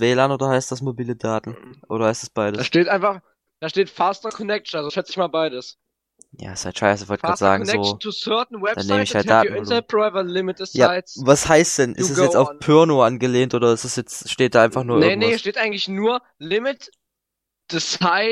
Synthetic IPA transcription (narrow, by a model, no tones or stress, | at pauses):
vɛːlaːnoːdɐhaɪstd̥asmobiːlədaːtn̩ʔo̰ːɾɐhaɪstɛsb̥aɪdəaʃteːtʔaɪnfaχ | d̥aːʃteːtfaːstɐkʰɔnɛk̚t͡ʃn̩alzoʃɛt͡sɪçmaːlbaɪdəs | ja̰ːsaɪʃaɪsɪvɔltɡʁaːtz̥aːɡŋnzoːtʰusœɐtn̩wɛd̥aːneːməɪçhaltd̥aːtn̩ɪnɐb̥ʁaɪvɐlɪmɪtɪsjaːaɪvashaɪstd̥ɛnʔɪ̰tɛsjɛt͡staʊfpʰœɐnoʔanɡəleːntʔoːdɾɐɪstɛsjɛt͡sʃteːt̚d̥aːʔaɪnfaχnuːɐʔnːəŋnəhiɐʃteːtʔaɪɡŋ̩tlɪçnuːɐ | lɪmɪt | d̥əsaɪ